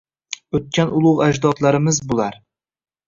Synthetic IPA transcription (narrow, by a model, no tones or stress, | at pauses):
ɵt̪̚kʲanʊlˠʊʁad͡ʒd̪ɒt̪laɾɪmɪzbolˠaɾ